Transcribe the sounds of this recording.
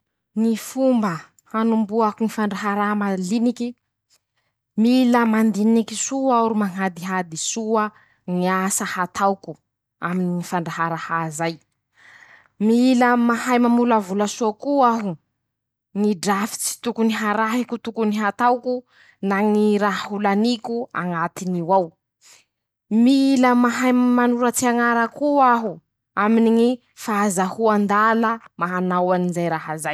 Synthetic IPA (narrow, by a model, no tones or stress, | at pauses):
ŋifumbə | anumbuakuŋifaɳɖ͡ʐaɦaɾaɦamaliniki | miləmand̪inikisuauɾumaŋad̪iɦad̪isuə | ŋiasahat̪ʰawku | aminiifaɳɖ͡ʐaɦaɾahazaj | miiləmaɦajmamuləvulasuakuaɦu | ŋiɖ͡ʐafi̥t͡si̥t̪ukuniɦaɾaɦikut̪ukuniɦat̪awku | naŋiɾaɦɦulanikua̰ŋat̪iniwaw | miiləmaɦajmmanuɾat͡siaŋaɾakuaɦu | aminiŋi | faazahuand̪aləmaɦanawanizajɾaɦazaj